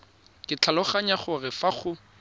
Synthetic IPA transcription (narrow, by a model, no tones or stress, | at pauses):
kʼɪt͡ɬʰalʊχaɲaχʊrɪfaχʊ